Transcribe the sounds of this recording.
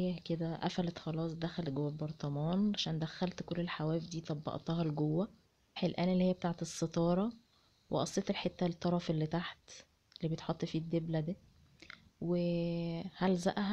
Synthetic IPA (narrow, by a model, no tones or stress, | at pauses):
jæked̪æʔæ̰fælæt̪xɑlɑːsˤd̪æxælt̪ɡowːæbɑɾˤt̪ˤɑmɑːnʕaʃæːnd̪æxːælt̪kolːelħawæːjefd̪iːt̪ˤɑbːɑ̰ʔt̪ɑɦɑlɡowːæ | ħelʔæːnelːihejːbet̪aʕt̪esˤːet̪ˤɑːɾˤɑ | wḛʔɑsˤːet̪elħet̪ːælet̪ˤːɑɾˤɑfelːit̪aħt̪ | elːiːbet̪ħot̪ˤːfiːd̪ːeblæd̪æ | we | hælzæ̰ʔɦæ